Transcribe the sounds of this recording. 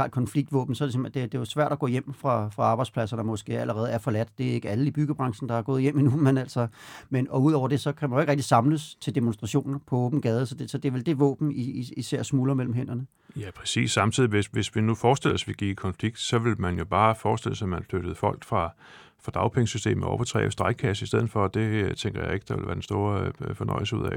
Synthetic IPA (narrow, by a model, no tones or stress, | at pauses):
ɑ̰ːl̥̚kʰɒnfliɡ̥̚d̥ʋɔ̰̽ːb̥n̩sɒɾesimæd̥e̝d̥e̝jasʋæɐ̰ɾ̥æɡ̥ɔ̰̽ːjem̰fʁɑ̈fʁɑ̈ɑ̈ːb̥ɑ̈ɪdspʰlæsɐnɒmɒ̽sɡ̥e̝̰ːæləʁɛːð̞̩ˠæɐfɒ̽læd̥d̥e̝æe̝ɡ̥əæləib̥yɡ̥əb̥ʁɑ̈ŋɕn̩d̥ɑ̈æɡ̥ɔ̽ːðˠjem̰inumenæl̰sɒ̽menɒ̽uð̰ˠɒʊ̰ɐd̥e̝sɒ̽kʰæmænjoe̝ɡ̥ʁeɡ̥̚disɑ̈mləst͡sʰe̝ld̥emonsd̥ʁɑ̈ɕo̝̰ːnnpʰɒ̽ɔ̽ːb̥n̩ɡ̥ɛːð̞ˠəsɒ̽d̥esɒ̽d̥e̝æɐʋeld̥e̝ʋɔ̰ːb̥n̩iiiseɐ̰smuːlɐmel̰m̩ɦen̰ɐnə | jæpʰʁɛsḭːsːɑ̈mt͡sʰið̞̰ˠiʋe̝sʋe̝sʋinufɒːsd̥e̝l̰ɒ̽sʋiɡ̥ḭːkʰɒ̽nfliɡ̥̚d̥sɒ̽ʋe̝lmænjo̝b̥ɑ̈ːfɒːsd̥e̝l̰əsæmænfløɾ̥əð̞̩ˠfɒ̽l̰ɡ̥fʁɑ̈ | fʁɑ̈d̥ɑ̈ʊpʰeŋəsysd̥e̝̰ːm̩ɒ̰ʊfɐt͡sʰʁɛ̰ːsd̥ʁɑɪɡ̥̚kʰæs̬əisd̥eð̞̰̩ˠfɒ̽d̥e̝t͡sʰeŋɡ̥ɐjäe̝ɡ̥ə̥d̥ɑ̈ʋe̝lʋæːɐd̥ensd̥o̝ːɐfɒ̽nɒ̽ɪl̩s̬əuðˠɛ̰